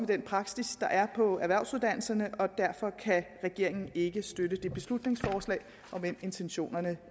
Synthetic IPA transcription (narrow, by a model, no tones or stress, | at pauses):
med̥enpʰʁɑ̈ɡ̥sisd̥ɑ̈ʔæɐpʰɒ̽æɐʋæɐ̰ʊsuðˠd̥æn̰l̩sɐnəʔɒ̽d̥æɐfɒ̽kʰæʁɛɡ̥e̝ɐ̰e̝ŋn̩e̝ɡ̥əsd̥ødəd̥e̝b̥e̝slud̥ne̝ŋsfɒːslɛ̰ːɪ | ʔɒ̽ʋem̰e̝nt͡sʰenɕo̝̰ːnɐnə